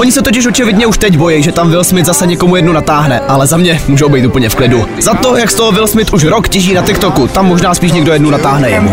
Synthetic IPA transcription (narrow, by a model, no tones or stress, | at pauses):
ʔo̞ɲɪsɛt̪o̞c̬ɪʃ̬ot͡ʃɪvɪdɲɛuʃt̪ɛcbo̞jɛjʒɛt̪amvɪlsmɪt̪zasɛɲɛko̞mujɛdnunat̪aːɦnɛʔalɛzamɲɛmuːʒowbɛjt̪uːpl̩ɲɛfklɪduzat̪o̞jakst̪oɦovɪlsmɪt̪ʔuʃɾo̞kcɛʒiːnat̪ɛkt̪o̞kut̪amːo̞ʒnaːspiːʃɲɛɡdojɛdnownat̪aːɦnɛj